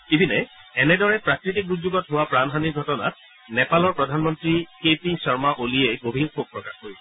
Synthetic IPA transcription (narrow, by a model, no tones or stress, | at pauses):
ibʱinɛɛnɛdɔɹɛpɹakɹitik̚uzuɡɔtɦʊwapɹanɦaniɹɡʱɔtɔna̰t̚ | nɛpalɔɹpɹɔdʱanmɔntɹikepisɔɹmaʔoliejɡobʱinxok̚pɹɔkaxkoɹibɔ